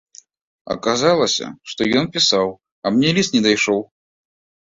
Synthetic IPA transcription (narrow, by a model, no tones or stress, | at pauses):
ɐ̰kazalˠɐsʲɐ̰ʂt̪ɔjɔnpʲisaw | ɐmnʲɛlʲist̪nʲɛd̪ajʂɔw